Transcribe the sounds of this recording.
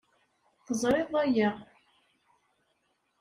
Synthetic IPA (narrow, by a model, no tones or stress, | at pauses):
θəzˤɾˤɪðˤæjæʁ